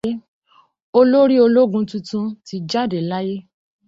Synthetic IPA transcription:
o˧lo˦ɾi˦o˧lo˦ɡũ˧tũ˧tũ˧ti˧˦d͡ʒa˦˨de˨la˦je˦

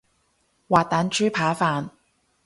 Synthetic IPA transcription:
waː˨t̚t̪aː˨˥nt͡ʃʰyː˥pʰaː˨˥faː˨n

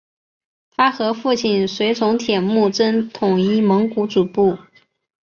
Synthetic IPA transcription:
t̪ʰa˥xɤ˧˥fu˥˧t͡ɕʰi˥˩nswe˧˥ɪt͡sʰʊ˧˥ŋt̪ʰjɛ˨˩nmu˥˩ʈ͡ʂə˥nt̪ʰʊ˨˩ŋi˥˩mɤ˧˥ŋku˧˥t͡su˨˩pu˥˩

